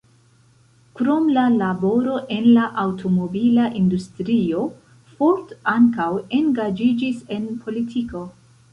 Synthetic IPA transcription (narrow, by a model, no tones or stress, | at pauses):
kɾo̞mlalabo̞ɾo̞ʔe̞nlaʔawtʰo̞mo̞bilaʔindustɾio̞ | foɾtaŋkawe̞ŋɡad͡ʒid͡ʒise̞npʰo̞litʰiko̞